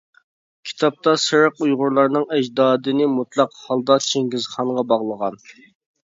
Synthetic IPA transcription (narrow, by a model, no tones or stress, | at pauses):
kʲʰi̥t̪ʰɑp̚t̪ɑsɨɾəqujʁʊɾlˠɑɾnɨŋɛd͡ʒd̪ɑːd̪ɨnɪmut̪lˠɑqhɑlˠd̪ɑt͡ʃʰeŋɡʲizχɑɴʁɑbɑʁlˠəʁɑn